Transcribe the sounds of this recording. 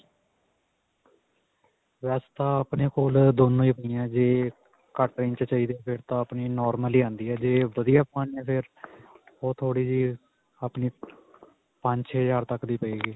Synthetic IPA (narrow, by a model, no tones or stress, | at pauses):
ʋɛːst̪ãːapneːkoːld̪oːnũːiːpəiːãɛd͡ʒeː | kəʈʈɾẽːnt͡ʃət͡ʃaːiːd̪eːpʰɪɾt̪ãːəpniːnɔːɾməliːãːnd̪iːɛːd͡ʒeːʋəd̪ijaːpaːniɛ̃ːpʰɪɾ | oːt̪ʰoːɽiːd͡ʒiː | aːpniː | pəɲt͡ʃʰːd͡ʒaːɾt̪əkd̪iːpəeːɡiː